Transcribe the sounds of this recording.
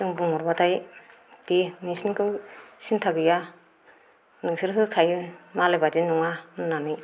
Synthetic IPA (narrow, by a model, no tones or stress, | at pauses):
sɯŋbuŋɔɾbadaj | tinisinkʰɯwsintʰaɡɯja | nɯŋsɯɾɦɯkʰajmalebad͡ʒinɔŋanɯnanɯ